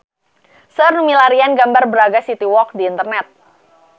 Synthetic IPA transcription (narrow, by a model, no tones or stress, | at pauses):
sərnumilaɾianɡambarbəɾaɡasit̪iwɔk̚diːnt̪ərnɛt̪̚